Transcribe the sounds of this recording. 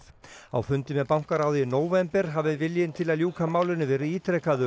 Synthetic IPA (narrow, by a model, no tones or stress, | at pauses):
a̰wfʏnt̪ɪmɛðpawŋ̥kaɾaːwðɪnoːwvɛmpɛɾ̥ɦaːvɪvɪljɪnt̪ʰɪlaðljuːkʰamaːwlʏnːɪvɛːɾɪiːt̪ʰɾɛkaðʏ